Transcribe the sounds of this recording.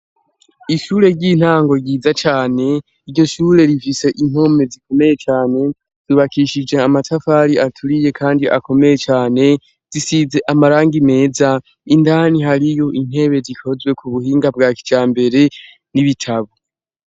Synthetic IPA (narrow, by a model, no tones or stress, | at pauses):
iʃuːɾe̞ɾɟiːn̥haːŋɡo̞ɾɟiːzat͡ʃaːne̞ | iɾɟo̞ʃuːɾe̞ɾifise̞ʔin̥ho̞me̞ziko̞me̞je̞t͡ʃaːne̞ | z̥iβakiʃid͡ʒe̞amatʰafaːɾiatʰuɾije̞kʰaːndiʔa̰ko̞me̞je̞t͡ʃaːne̞ | z̥isize̞ʔamaɾaːŋɡime̞ːza | indaːniɦaɾijo̞ʔin̥he̞βe̞zikʰo̞zwe̞kʰuβuhiːŋɡabɡaːki̥d͡ʒaːmbe̞ɾe̞ | niβitʰaβo